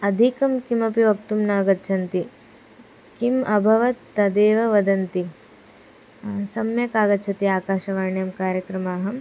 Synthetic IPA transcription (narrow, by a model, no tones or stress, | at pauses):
ɐd̪ʱikɐmkimɐpiʋɐkt̪umnaːɡɐtːt͡ʃʰɐnt̪i | kimɐbʱɐʋɐt̪ːɐd̪eːʋɐʋɐd̪ɐnt̪i | sɐmjɐkaːɡɐtːt͡ʃʰɐt̪iaːkaːʃɐʋaːɳjɐmkaːɾjɐkɾɐmaːɦɐm